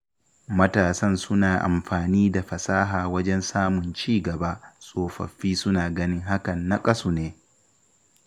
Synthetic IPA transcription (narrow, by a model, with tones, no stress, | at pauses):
mɐ˦taː˨sɐ˦˨nsʊ˦naː˨ʔa̰˨mɸaː˨niː˦da˨ɸɐ˨saː˦ɦaː˨wɐ˦d͡ʒɛ˦nsaː˦mʊ˨nt͡ʃiː˦˨ɡɐ˨ba˦sʼoː˨ɸɐ̰˨ɸːiː˦sʊ˦naː˨ɡɐ˦nɪ˦ŋɦa˦kɐ˨nːa˦kʼɐ˦suː˨neː˦